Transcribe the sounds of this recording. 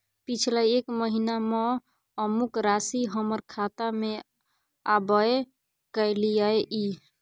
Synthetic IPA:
pit͡ʃʰlaekməɦinamɔ | əmukɾasiɦəməɾkʰat̪ame | abəe | kəjlijəjʔi

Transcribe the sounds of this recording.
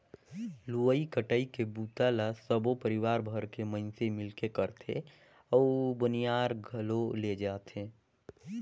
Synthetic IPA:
luəikəʈəikebuːt̪alasəbopəɾɪwaːɾbʱəɾkemə̃nsemɪlkekəɾt̪ʰḛ | ɔbʊnijaːɾɡʱəloled͡ʒaːt̪ʰeː

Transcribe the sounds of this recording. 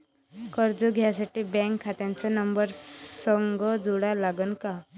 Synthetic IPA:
kəɾd͡zoɡʱjasaʈiːbɛ̃ŋkʰːat̪jant͡sanəmbəɾsəŋɡəd͡zuɽalaɡənka

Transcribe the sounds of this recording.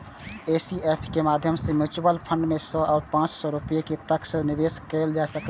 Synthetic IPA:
esiepʰkemad̪ʱjəmsemut͡ʃubəlpʰəɳɖmesɔaːɾpãt͡ʃsɔɾupijeket̪əksə̃nibeskəɪld͡ʒaesək

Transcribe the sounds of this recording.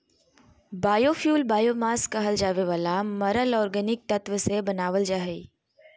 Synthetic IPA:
baːjoːfʰjuːlbaːjomaːskɐɦəld͡ʒaːʋeʋaːlamɐɾəlɔːɾɡənɪk̚t̪ɐt̪ʋəsebɐnaːʋəld͡ʒaːɦe

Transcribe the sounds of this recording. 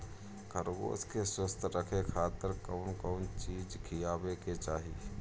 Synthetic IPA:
kʰəɾɡo̰ːskeswəst̪ʰɾəkʰekʰaːt̪əɾkəʊnkəʊnt͡ʃiːd͡ʒkʰijaːbeket͡ʃaːɦi

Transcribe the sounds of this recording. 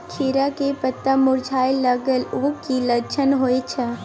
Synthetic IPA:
kʰiːɾakepət̪ːəmʊɾd͡ʒʱaːeləɡəlʊkiləɾt͡ʃʰənɦoːet͡ʃʰə

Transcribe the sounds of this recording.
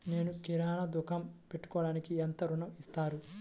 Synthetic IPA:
ne̞ːnukiɾaːnɐd̪ukɐmpeʈːu̥kɔːɽaːnikiɐnt̪ɐɾunɐmist̪aːɾu

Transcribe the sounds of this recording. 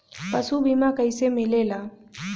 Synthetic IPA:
pəsubʱimakəisemɪlelaː

